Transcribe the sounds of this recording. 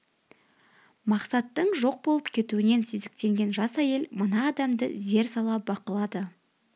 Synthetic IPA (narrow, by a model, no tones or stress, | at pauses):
mɑqsɑt̪ːəɴʒo̞q̚bo̞lˠəpkʲʰe̞t̪uɪne̞nsezɪk̚t̪e̞ŋɡʲe̞nʒɑsæje̞lmənɑːd̪ɑmd̪ə̰ze̞ɾsɑlˠɑbɑqəlˠɑd̪ə